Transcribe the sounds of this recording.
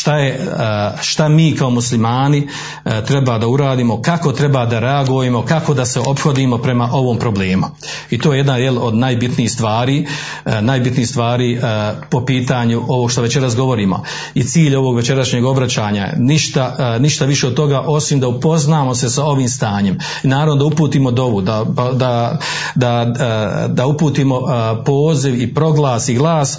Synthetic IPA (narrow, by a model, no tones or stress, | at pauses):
ʃt̪aje | ʃt̪amiːkao̞muslimaːni | t̪ɾe̞baːd̪auɾaːd̪iːmo̞kako̞t̪ɾe̞baːd̪aɾe̞aɡujemo̞kako̞d̪ase̞ʔo̞pxo̞d̪iːmo̞pɾe̞maʔo̞ʋo̞ːmpɾo̞bleːmu | it̪oːjee̞d̪najelo̞d̪najbit̪niːxst̪ʋaːɾiː | naːjbit̪niːhst̪ʋaːɾiːpo̞piːt̪aːɲuʔo̞ʋoɡʃt̪oʋe̞t͡ɕe̞ɾasɡo̞ʋo̞ɾiːmo̞̰ | it̪siːʎo̞ʋo̞ːɡʋe̞t͡ɕe̞ɾaʃɲeɡo̞bɾat͡ɕaːɲa̰niʃt̪aniʃt̪aʋiʃe̞od̪t̪o̞ɡaːʔo̞simd̪aupo̞znaːmo̞se̞sao̞ʋiːmst̪aːɲe̞m | inaːɾaʋnod̪aupuːt̪iːmod̪o̞ʋud̪apad̪a | d̪a | d̪aupuːt̪iːmo̞po̞ːziʋipɾo̞ɡlˠaːsiɡlˠaːs